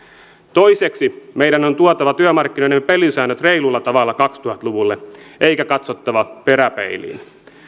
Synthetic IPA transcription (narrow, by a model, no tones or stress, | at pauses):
t̪ojseksimeijdænont̪uot̪ɑʋɑt̪yømɑrkːino̞jnempelisæːnːøt̪reilulːɑt̪ɑʋɑlːɑkɑkst̪uhɑt̪luʋulːeʔeikækɑt̪sot̪ːɑʋɑpeɾæpḛilḭːn